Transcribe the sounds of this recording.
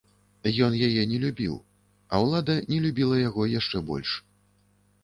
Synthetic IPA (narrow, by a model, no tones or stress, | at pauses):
jɔnjajɛnʲɛlʲubʲḭw | ɐ̰wlˠad̪ɐnʲɛlʲubʲilˠɐjaɣɔjaʂt͡ʂɛbɔ̰lʲʂ